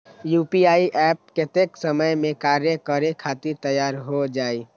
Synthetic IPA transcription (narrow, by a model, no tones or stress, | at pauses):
juːpiaːiʔɛːp̚kɪt̪eksəməjmẽkaːɾjəkəɾekʰaːt̪ɪɾt̪əjːaːɾɦod͡ʒaːiː